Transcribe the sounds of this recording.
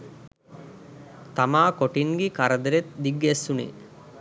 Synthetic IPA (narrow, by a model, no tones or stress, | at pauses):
t̪amaːkoʈiŋɡikaɾɐd̪ɐɾet̪̚d̪iɡːesːunḭː